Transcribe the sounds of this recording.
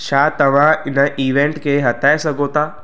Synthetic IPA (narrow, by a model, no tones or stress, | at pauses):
ʃaːt̪ɐʋ̤ãɪnəʔiːʋẽɳʈkʰeɦɐt̪ʰaːesɐɡʱot̪aː